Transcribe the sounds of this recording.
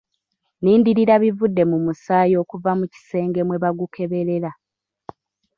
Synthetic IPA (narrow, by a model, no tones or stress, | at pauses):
niːndiɾiɾaβivudːe̞mumusaːjo̞ːkuvamuci̥se̞ːŋɡe̞mwe̞βaɡukʰe̞βe̞ɾe̞ɾa